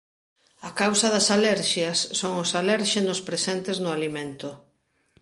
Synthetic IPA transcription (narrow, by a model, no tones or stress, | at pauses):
akawsɐðɐsalɛɾʃjɐsːoŋʊsalɛɾʃenʊspɾesɛnt̪ɪznʊalimẽnt̪ʊ